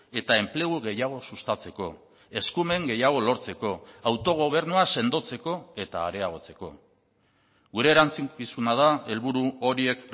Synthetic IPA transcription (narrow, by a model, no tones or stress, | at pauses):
e̞t̪ae̞mple̞ɣ̞uɣe̞jaɣ̞o̞sust̪at͡se̞ko̞ | e̞skume̞ŋɡe̞jaɣ̞o̞lo̞ɾt͡se̞ko̞awt̪o̞ɣ̞o̞β̞e̞ɾnuase̞nd̪o̞t͡se̞ko̞e̞t̪aːɾe̞aɣ̞o̞t͡se̞̥ko̞̰ | ɣuɾe̞ːɾant͡sikisunað̞ae̞lβuɾuo̞ɾie̞k